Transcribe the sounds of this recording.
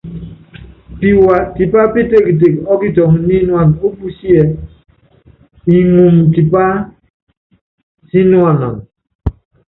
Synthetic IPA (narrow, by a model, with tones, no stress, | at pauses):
pi˨wa˨ti˨pa˦pi˦te˦˨ki˨t̬e˨kɔ˦ki˦tɔ˨ŋ˨nĩ˦nu˦a˨n˨o˦bu˦si˦ɛ˨ | i˨ŋu˨mti˨pa˦ | si˦nwa˨nɔ̰̃˨n